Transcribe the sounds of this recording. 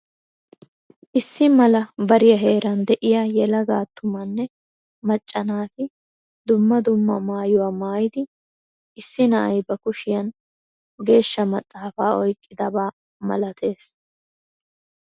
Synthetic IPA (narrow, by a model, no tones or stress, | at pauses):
ʔɪsːɪmɐlɐbɐɾɪjɐɦe̞ːɾɐnd̪ɛʔɪjaːjɛlɐɡaːt̪ʰːʊmɐnːɛ | mɐt͡ʃʼːɐnaːt̪ɪ | d̪ʊmːɐd̪ʊmːɐmaːjʊwaːmaːjɪd̪ɪ | ʔɪsːɪnɐʔɐjbɐkʊʃɪjɐn | ɡe̞ːʃːɐmɐt̪ʼːaːfaːɔjkʼːɪd̪ɐbaː | mɐ̰lɐt̪ʰe̞ːs